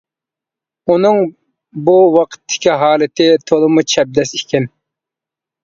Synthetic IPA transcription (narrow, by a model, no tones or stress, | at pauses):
unɨŋ | buwɑqʰə̥t̪ʰːɪ̥kʲiɦɑːlˠɪt̪ʰɪt̪ʰolˠɨmut͡ʃʰɛb̚d̪ɛsikʲʰɛn